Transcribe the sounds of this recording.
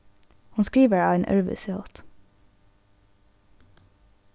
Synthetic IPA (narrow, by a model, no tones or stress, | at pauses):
hʊnskɹiːʋəɑːʋeːnʔœ̰ɹʋə̰sɛot̪